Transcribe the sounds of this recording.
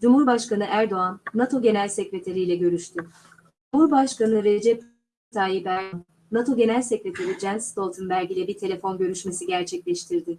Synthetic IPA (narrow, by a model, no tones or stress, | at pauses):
d͡ʒumhuɾbaʃkanɯʔæɾd̪o̞anːat̪ʰo̞ɟe̞nælʲsecɾe̞t̪ʰeɾijlʲɛɟø̞ɾyʃt̪ʰy | d͡ʒumhuɾbaʃkanɯɾed͡ʒɛpː | t̪ʰaːjibæɾnː | at̪ʰo̞ɟe̞nælʲsecɾe̞t̪ʰeɾid͡ʒɛnst̪ʰo̞lˠt̪ʰɯnbæɾɟilʲɛbit̪ʰe̞lʲe̞fo̞nɟø̞ɾyʃme̞siɟæɾt͡ʃʰɛclʲɛʃt̪ʰiɾd̪ɪ